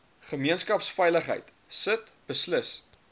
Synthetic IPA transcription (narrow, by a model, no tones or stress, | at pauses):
χəmiənskɐpsfɛjləχɦə̰jt | sətb̥əsləs